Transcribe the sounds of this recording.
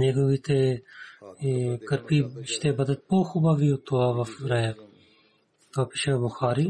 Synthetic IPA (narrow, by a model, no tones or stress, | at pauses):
neːɡoʋiːt̪e | kəɾpiːʃt̪ebɐd̪ət̪̚poːxubaːʋiːut̪oaːʋɐfɾɐja | t̪oɐpiːʃɐʋbʊxaːɾiː